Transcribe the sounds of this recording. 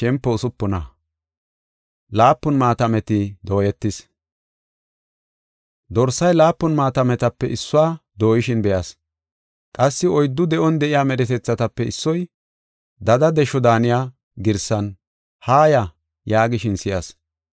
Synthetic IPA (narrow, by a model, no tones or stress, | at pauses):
ʃɛmpːɔʊsʊpːʊnɐ | laːpːʊnmaːt̪ɐmɛt̪ɪd̪o̞ːjɛt̪ːɪs | d̪ɔɾsɐjlaːpːʊnmaːt̪ɐmɛt̪ɐpːɛʔɪsːʊwaːd̪o̞ːjɪʃɪnbɛjɐs | kʼɐsːɪɔjd̪ːʊd̪ɛʔɔnd̪ɛʔɪjaːmɛɾɛt̪ɛt͡sːɐt̪ɐpːɛɪsːɔj | d̪ɐd̪ɐd̪ɛʃɔd̪aːnɪjaː | ɡɪɾsɐn | haːjɐ | jaːɡɪʃɪnsɪjɐs